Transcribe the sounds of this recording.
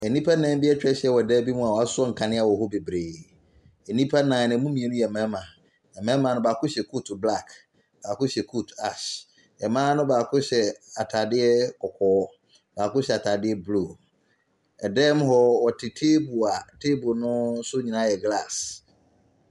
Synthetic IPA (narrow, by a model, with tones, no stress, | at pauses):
ɛ˨nĩ˦pʰa˦nã˨˦m˦bi˦ɛ˦t͡ɕᶣɛ˦ɕɛ˦wɔ˨dɛː˦bi˦mũ˦a˨wa˦sʊ˦ɔ˦ŋ̩˨kʰã˨nɪ̃˦a˨wɔ˨ɦɔ˦be˨bɾeː˨ | ɛ˨nĩ˦pʰa˦nã˨nɪ̃˨mũ˦mĩ˨e˨nʊ̃˦jɛ˨ɛ˨mɛ̃˨˦mã˨ | ɛ˨mɛ̃˦mã˨nʊ̃˦baː˨kʊ̃˦ɕɛ˨kʰu˦tbla˦˨k | b̥aː˨kʊ̃˦ɕɛ˨kʰu˦ta˨ɕ | ɛ˨mãː˦nʊ̃˦baː˨kʊ̃˦ɕɛ˨a˨tʰa˨dɪ˦ɛ˦kɔ˨kʰɔː˨˦ | baː˨kʊ̃˦ɕɛ˨a˨tʰa˨dɪ˦ɛ˦blu˨ | ɛ˨dɛː˦m˦ɦɔ˨wɔ˨tʰɪ˨tʰeː˦bu˨a˨tʰe˦bʊ˨nʊ̃˦sʊ˦ɲĩ˨nã˦jɛ˨ɡla˦˨s